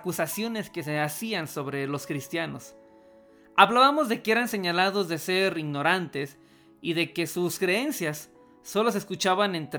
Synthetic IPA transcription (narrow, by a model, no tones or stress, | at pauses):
kusasjo̞ne̞ske̞seasianso̞βɾe̞lo̞skɾist̪jano̞s | aβlaβamo̞zðe̞kee̞ɾanse̞ɲalaðo̞zðe̞se̞ɾiɣno̞ɾant̪e̞s | iðe̞ke̞suskɾe̞e̞nsjasː | o̞lo̞s̬eskut͡ʃaβane̞nt̪